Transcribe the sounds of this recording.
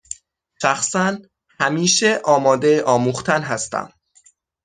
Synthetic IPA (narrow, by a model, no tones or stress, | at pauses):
ʃæxsæn | hæmiːʃeʔɒːmɒːd̪eʔɒːmuːxt̪ʰænɦæst̪æ̰m